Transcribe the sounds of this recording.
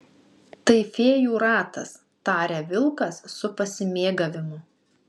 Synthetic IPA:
t̪ɐɪfʲeːjuːɾɑːt̪ɐs | t̪ɑːɾʲeːʋʲɪlˠkɐsːʊpɐsʲɪmʲeːɡɐʋʲɪmʊ

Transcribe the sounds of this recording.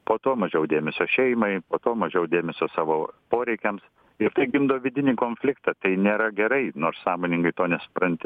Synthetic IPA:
poːt̪oːmɐʒʲɛʊd̪ʲeːmʲɛsʲoːʃʲɛɪmɐɪpoːt̪oːmɐʒʲɛʊd̪ʲeːmʲɛsʲoːsɑːʋoːpoːɾʲɛɪkʲɛms | ɪɾt̪ɐɪɡʲɪmd̪oːʋʲɪd̪ʲɪnʲiːkoːnʲfʲlʲɪkt̪ɑt̪ɐɪnʲeːɾɐɡʲɛɾɐɪnoːrssɑːmoːnʲɪŋɡɐɪt̪oːnʲɛsʊ̥pɾɐnʲt̪ʲɪ

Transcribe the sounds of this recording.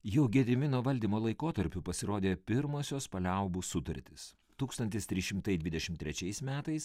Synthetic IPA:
jɛʊɡʲɛd̪ʲɾʲɪmʲɪnoːʋɐlʲd̪ʲiːmoːlˠɐɪkoːt̪ɐɾʲpʲʊpɐsʲɪɾoːd̪ʲeːpʲɪɾmoːsʲoːspɐlʲɛˑʊbusʊt̪ɐɾʲt̪ʲɪs | t̪uːkst̪ɐnʲt̪ʲɪst̪ʲɾʲɪʃʲɪmt̪ɐɪd̪ʲʋʲɪd̪ʲɛʃʲɪmt̪ʲɾʲɛt͡ʃʲɛɪsmʲæːt̪ɐɪs

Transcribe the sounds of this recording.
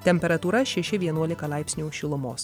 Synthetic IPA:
t̪ʲɛmʲpʲɛɾɐt̪uːɾɐʃʲɛʃʲɪʋʲiɛnuɔlʲɪkɐlˠɐɪpʲsʲnʲuːʃʲɪlˠʊmoːs

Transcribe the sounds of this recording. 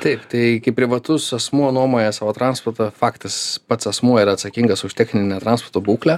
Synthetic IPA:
t̪ɐɪpt̪ɐɪkʲɐɪpʲɾʲɪʋɐt̪ʊsɐsmuɔnuɔmoːjɛsɑːʋoːt̪ɾɑnspɔrt̪ɐfɑːkt̪ɨspɐt̪sɐsmuɔiɾɐt̪sɐkʲiːŋɡɐsʊʃʲt̪ʲɛxʲnʲɪnʲnʲɛt̪ɾɐnsport̪oːbuːklʲæ

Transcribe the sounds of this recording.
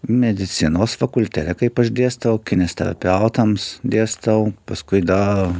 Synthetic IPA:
mʲɛd̪ʲɪt̪sʲɪnoːsfɐkʊlʲt̪ʲæt̪ʲɛkɐɪpɐʃd̪ʲeɛst̪ɐoʊkʲɪnʲɛsʲt̪ʲɛɾɐ̰pʲɛʊt̪ɐmsd̪ʲeːst̪ɐʊpɐskʊɪd̪ɐ

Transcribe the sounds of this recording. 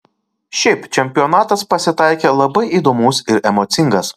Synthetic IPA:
ʃʲɛɪpt͡ʃʲɛmʲpʲɪɔnɑːt̪ɐspɐsʲɪt̪ɑˑɪkʲeːlˠɐbɐɪʔiːd̪oːmʊːsɪɾɛmɔːt̪sʲɪŋɡɐs

